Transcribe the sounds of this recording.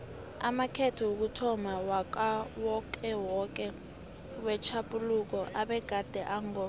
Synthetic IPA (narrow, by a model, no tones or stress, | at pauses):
amakʰɛtʰɔok̬utʰɔmawak̬ʼawɔk̬ʼɛwɔk̬ʼɛ | wɛt͡ʃʰapʼuluk̬ɔʔaɓɛɡ̥ʱad̥ʱɛʔaŋɔ